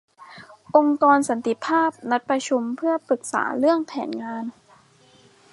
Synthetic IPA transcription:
ʔo˧ŋkɔː˧nsa˩˦nt̪i˧˩pʰaː˥˩p̚na˦˥t̪̚pɾa˧t͡ɕʰu˧mpʰɯ˥˩ɐpɾɯ˨˩k̚sa̰ː˩˦ɾɯ˥˩əŋpʰɛː˩˦nŋaː˧n

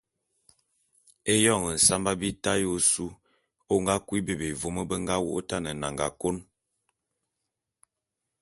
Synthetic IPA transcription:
e˦jɔ˦˨ŋə˨n̩˨sa˦mba˦bi˦ta˦jo˦su˦ | o˦ŋɡa˦kwi˦be˨be˨vo˨mə˦bə˦ŋɡa˦wo̰˦o˦ta˦˨nə˨na̰˨ŋɡa̰˨ko˦n

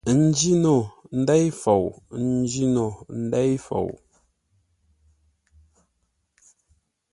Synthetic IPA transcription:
n̩˦d͡ʒi˦no˦˨n̩˦dɛ˦jfo˨wn̩˦d͡ʒi˦no˨n̩˦dɛ˦jfo̰˨w

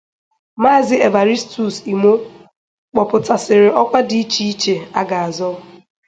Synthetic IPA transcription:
ma˦˨zɪ˦e˨va˨ɾi˦stu˨si˨mo˦ | k͡pɔ˨pʊ˨ta˨sɪ˨ɾɪ˨ɔ˦kʷa˦di˨i˦t͡ʃi˦i˦t͡ʃe˨a˦ɡa˨a˨zɔ˦

